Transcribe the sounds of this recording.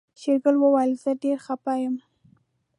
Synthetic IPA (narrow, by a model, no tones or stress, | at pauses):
ʃeɾɡəlwəwajəlzəɖeɾxapɑjəm